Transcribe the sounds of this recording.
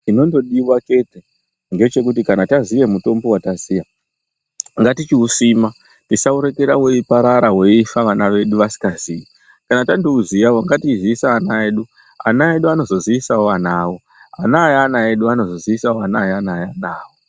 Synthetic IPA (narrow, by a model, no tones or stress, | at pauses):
tino̞ndo̞ɗiwat͡ʃe̞te | ŋɡe̞t͡ʃe̞kut̬ikanatazijemuto̞mbo̞watazija | ŋɡatit͡ʃiusima | tisauɾe̞ke̞ɾawe̞ipaɾaɾawe̞ifaʋanaʋe̞ɗuʋasi̥kaziːji | kanatandouzijawoŋɡatiiziisaːnaeːɗu | a̰nae̞ɗuano̞zoziʋisaoʋanaːwo̞ | anaːjanaeɗuano̞zo̞ziisaoanajanaːjanaːwo̞